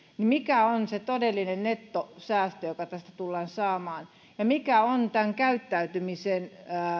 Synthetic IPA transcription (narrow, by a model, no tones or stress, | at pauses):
nimikæonset̪odelːinennet̪ːosæːst̪øjokɑt̪æst̪æt̪ulːɑːnsɑːmɑːn | jɑmikæont̪æŋkæyt̪ːæyt̪ymisenː